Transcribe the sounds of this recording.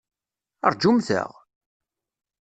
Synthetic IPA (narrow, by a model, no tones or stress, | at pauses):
ə̰ɾˤd͡ʒumθə̰ʁ